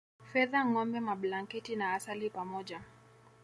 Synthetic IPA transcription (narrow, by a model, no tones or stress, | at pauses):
fɛðaŋɔmbɛmaɓlaŋkɛtinaasalipamɔʄa